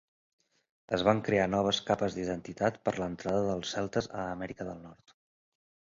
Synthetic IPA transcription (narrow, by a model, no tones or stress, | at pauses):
əzβaŋkɾeanɔβ̞əskapəzd̪iðənt̪it̪at̪pəɾlənt̪ɾaðəðəlˠsɛlˠt̪əzə̰ːmɛɾikəðəlˠnɔɾt̪